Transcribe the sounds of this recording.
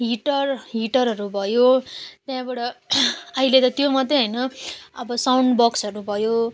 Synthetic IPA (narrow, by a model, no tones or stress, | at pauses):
ɦiʈʌrɦiʈʌɾɦʌɾubʱʌjot̪jãbaɽʌʌilet̪ʌt̪jomʌt̪eɦʌjnʌʌbʌsawɳɖbʌksʌɾubʱʌjo